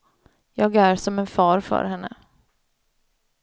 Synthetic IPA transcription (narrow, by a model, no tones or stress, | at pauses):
jɑːɡæɾsɔmɛnfɑːɾfœ̰ːɾɦɛnːə̰